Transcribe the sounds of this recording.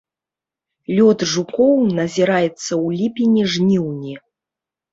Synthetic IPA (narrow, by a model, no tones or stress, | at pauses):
lʲɔd̪ʐukɔwnɐzʲiɾajɛt̪sːɐwlʲipʲinʲiʐnʲiwnʲi